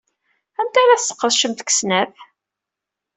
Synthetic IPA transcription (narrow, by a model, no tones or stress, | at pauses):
æmt̪æɾæθsːə̥qːəðˤʃəmt̪ksnæθ